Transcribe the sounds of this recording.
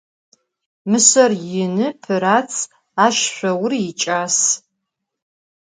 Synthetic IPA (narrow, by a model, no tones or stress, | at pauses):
mɨsɐrjɪnɨpʰɨɾaːt͡sʰ | aːʃɕʷɐwʊrɪt͡ʃʼaːs